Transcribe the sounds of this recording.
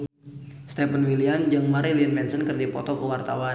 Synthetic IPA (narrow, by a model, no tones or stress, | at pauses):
st̪ɛpənwiliand͡ʒəŋmaɾiliənmɛnsənkərdipɔ̰t̪ɔkəwart̪awa